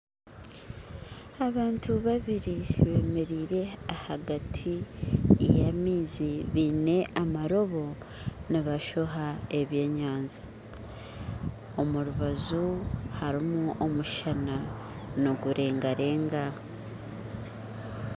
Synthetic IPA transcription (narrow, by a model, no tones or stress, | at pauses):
aβaːntʰuβaβiɾiβe̞ːme̞ɾiːɾe̞ahaɡatʰi | jamiːziβine̞ʔamaɾo̞βo̞ | niβaʃo̞ɦae̞βje̞ːɲaːnza | o̞muɾuβazuhaɾimuʔomuʃana | no̞ɡuɾe̞ːŋɡaɾe̞ːŋɡa